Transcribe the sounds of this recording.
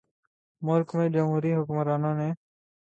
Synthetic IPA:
mʊɾkmeːd͡ʒəmɦuːɾiːɦʊkmɾaːnõːneː

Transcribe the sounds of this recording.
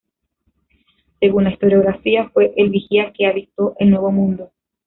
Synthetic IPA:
se̞ɣunaist̪o̞ɾjo̞ɣɾafiafwe̞ʔelβixiakeaβit̪o̞ʔenwe̞βo̞mũnd̪o

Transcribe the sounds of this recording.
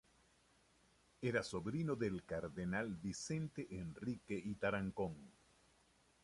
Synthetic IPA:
eɾasoβɾinoðelkaɾðenalbisent̪eʔenrikeʔit̪aɾaŋkoŋ

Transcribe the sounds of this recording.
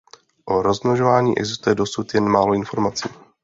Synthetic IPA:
ʔoɾo̞zmnoʒovaːɲiːʔɛ̰ɡzɪst̪ujɛdo̞sut̪jɛnmaːlo̞ɪnfo̞ɾmat͡siː

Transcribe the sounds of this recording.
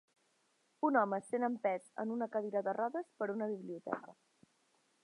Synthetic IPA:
unɔməsenəmpɛt̪ə̰nunəkəð̞iɾəðərɔðəspəɾunəβiβliut̪ɛ̰kə

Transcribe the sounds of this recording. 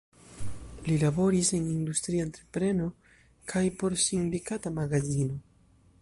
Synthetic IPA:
lilabo̞ɾise̞nind̪ust̪ɾiant̪ɾepɾe̞no̞ | kʰajpo̞ɾsindikatamaɡazino

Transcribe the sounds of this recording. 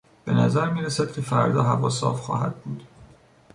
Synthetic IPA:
b̥e̞næzæɾmiːɾesæd̪̥̚cʲʰefæɾd̪ɒːɦævɒ̰ːsɒ̰ːfxɒ̰ːhæd̪̚buːd̪̥

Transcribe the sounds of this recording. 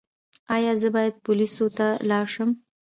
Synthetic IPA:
ɑjɑzəbɑjad̪̚pʊlisot̪alɑɾʂəm

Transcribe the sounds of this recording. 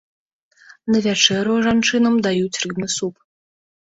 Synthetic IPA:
nɐvʲat͡ʂɛɾuʐant͡ʂɨnɐmd̪ajut͡sʲrɨbnɨsup

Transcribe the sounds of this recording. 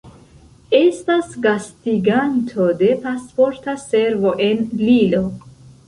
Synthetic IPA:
est̪asɡast̪iɡant̪ʰod̪epaspoɾt̪ʰaseɾvoʔenlilo

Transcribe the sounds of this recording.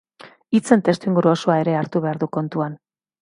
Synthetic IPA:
it͡se̞nt̪e̞st̪uiŋɡuɾuosoae̞ɾe̞aɾt̪uβe̞aɾðuko̞nt̪uan

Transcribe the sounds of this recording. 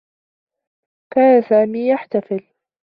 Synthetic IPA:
kaːnasaːmiːjaħt̪afɪl

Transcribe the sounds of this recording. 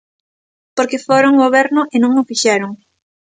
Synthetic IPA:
poɾkefoɾoŋɡoβɛɾnʊʔɪnũŋʊfiʃɛɾoŋ

